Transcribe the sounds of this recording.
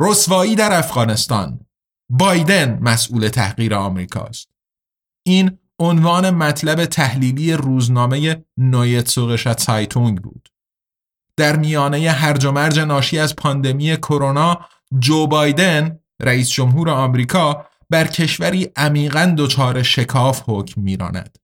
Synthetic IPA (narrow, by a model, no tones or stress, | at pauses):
rosvɒːiːd̪æɾæfɣ̥ɒːne̞st̪ɒ̰ːn | bɒːjd̪e̞nmæsʔuːle̞t̪ʰæ̰hɣiːɾeɒːmɾḭːkʰɒ̰ːst̪̚ | ʔiːn | onvɒːne̞mæt̪ʰlæbe̞t̪ʰæhliːliːje̞ruːznɒːme̞je̞nojet̪soɣeʃæt̪sɑjt̪ʰuŋɡbṵːd̪̥ | d̪̥æɾmijɒːne̞je̞ɦæɾd͡ʒo̞mæɾd͡ʒe̞nɒːʃiːæzpʰɒːnd̪e̞miːje̞kʰo̞ɾo̞nɒː | d͡ʒoːbɒːjd̪e̞n | ɾæiːsd͡ʒo̞mɦuːɾe̞ɒːmɾiːkʰɒː | b̥æɾcʰe̞ʃvæɾiːʔæmiːɣænd̪o̞t͡ʃʰɒːɾe̞ʃe̞kʰɒːfhoːcʰmːiːɾɒ̰ːnæ̰d̪̥